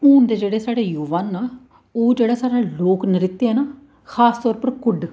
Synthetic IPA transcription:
uːnd̪eːd͡ʒeːɽeːsaːɽeːjuːʋaːnːaː | oːd͡ʒeːɽaːsaːɾaːloːknəɾɪt̪ːeɦɛːnaː | kʰaːst̪ɔːɾpəɾkʊɖ

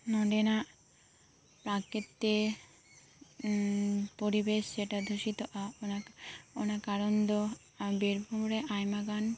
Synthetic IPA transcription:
nɔɖena | pɾaket̪ːe | poɾibeʃd͡ʑeʈad̪ʱoʃit̪oʔaonaonakaɾond̪o | abeɾbʱomɾeʔajmaɡan

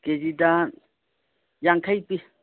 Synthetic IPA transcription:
ked͡ʒida | jaŋkʰajpi

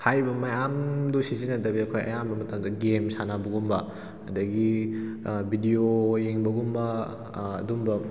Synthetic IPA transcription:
hajɾibɐmɐjamdusizinɐdɐbiɐkʰojɐ̰jambɐmɐtamdɐɡemsanabɐɡumbɐ | hɐ̰dɐɡi | bʱidioːjeŋbɐɡumbɐ̰ː | dumbɐ

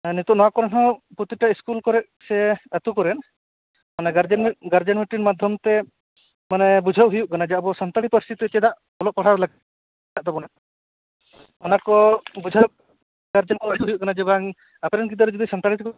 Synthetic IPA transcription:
nit̪ɔnɔwakɔɾɛnɦɔ̃pɾɔt̪iʈaiskulkɔɾɛʔ | sɛat̪ukɔɾɛn | manɛɡaɾd͡ʒɛnɡaɾd͡ʒanmiʈinmad̪ʱjɔmt̪ɛ | manɛbud͡ʒʱawɦujuʔkanad͡ʒabɔsɔnt̪aɽipɔɾist̪ʰit̪uɛt͡ʃɛd̪aʔ | bɔlɔʔpaɽ̤aɾlaɡ | aʔd̪ɔbɔna | ɔnakɔbud͡ʒʱak̚ | ɡaɾd͡ʒɔnkɔat̪uɦujuʔɡanad͡ʒɛbaŋ | apɛɾɛnkid̪ɔɾɛd͡ʒɔd̪isɔnt̪aɽit̪kɔ

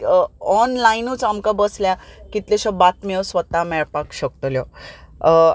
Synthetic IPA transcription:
ɔnlainut͡samkabəsljakit̪leɕɔbat̪mewsʋət̪amɛɭpakɕək̚t̪ljɔ

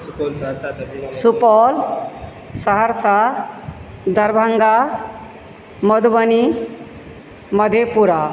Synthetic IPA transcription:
suplsɾssupɔl | səɦəɾsa | d̪ʱəɾbʱəŋɡa | məd̪ubəni | mʌd̪ʱepuɾa

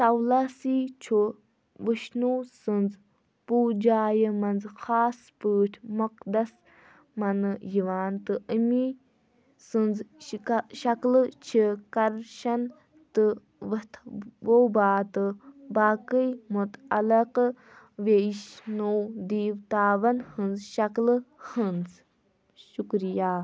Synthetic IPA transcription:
t̪ɐwlasiːt͡ʃʰu | ʋəʃnuːsɨnz | puːd͡ʒaːjəmɐnzxaːspɨːʈʰmɐqd̪ɐs | mɐnɨjiʋaːnt̪ɨʔəmi | sɨnz | ʃɐklt͡ʃʰikɐɾʃɐn | t̪ɨ | ʋɐt̪ʰʋowbaːt̪ɨbaːkəjmut̪ɐlɐq | ʋeʃnoːd̪iːwt̪aːʋɐnhɨnzʃɐklɨhɨnz | ʃukɾijaː

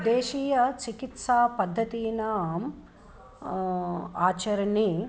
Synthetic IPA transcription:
d̪eːʃiːjɐt͡ʃikit̪saːpɐd̪ʱːɐt̪iːnaːm | aːt͡ʃɐɾɐni

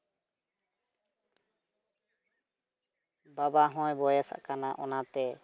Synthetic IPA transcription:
babaɦɔ̃jbɔjesa̰kanaʔɔ̰nat̪ɛ

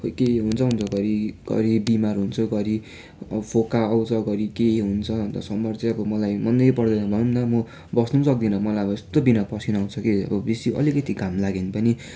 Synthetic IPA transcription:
okeɦunt͡sʰʌɦunt͡sʰʌɡʌɾiɡ̥ʌ̰ɾibimarɦunt͡sʰʌɡʌɾi | ʌ̰bʌpʰokaʌwt͡sʰʌɡʌɾikeɦunt͡sʰʌnt̪ʌ̰sʌmbʌrt͡sẽʌbʌmʌlajmʌnd̪ʌjpʌrd̪ʌjnʌbʱʌnnt̪ʌmʌ | bʌsnusʌk̚d̪inʌmʌlajʌbʌest̪obinapʌsinaw̃t͡sʰʌkeʌ̰bʌbisiʌ̰likʌt̪ikamlaɡinpʌni

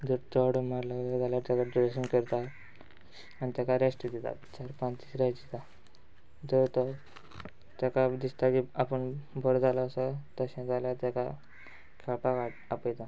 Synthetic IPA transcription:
d͡zəɾt͡sɔɽəmaɾlaɡləd͡zaljat̪akaɖiɾeɕənkəɾt̪a | anit̪jakaɾesʈəd̪et̪a̰t̪t͡ɕaɾpãnt̪isɾajd͡ʑit̪a | d͡zəɾt̪ə | t̪jakad̪ist̪akiapəɳbʱəɾd͡zalaːsat̪əɕɛ̃d͡zaljat̪aka | kʰɛɭpakaʈapəjt̪a

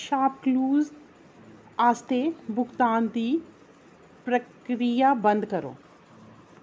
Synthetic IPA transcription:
ʃaːp̚kluːz | aːst̪ebʱʊɡt̪aːnd̪i | pɾəkɾijabɐ̃nd̪kɐɾo̰ː

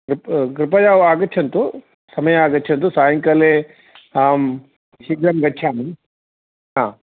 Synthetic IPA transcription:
kɾɪpkɾɪpɐjaːʋaːɡɐtːt͡ʃʰɐnt̪u | sɐmɐjɐaːɡɐtːt͡ʃʰɐnt̪usaːjɐŋkɐle | am | ʃiɡɾɐmɡɐtːt͡ʃʰaːmi | ɦãː

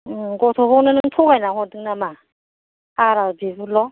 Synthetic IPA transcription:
ɡɔt̪ʰɔβɔwnɯnɯŋtʰɔɡajnaɦɔdɯŋnama | aɾabibulɔ

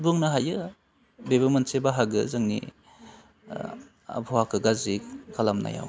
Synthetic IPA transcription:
bɯŋnaɦajɯ | bebamansebaɦaɡɯzɯŋnḭ | a̰bʰʱɔwakʰɯɡazikʰalamna̰ja̰w

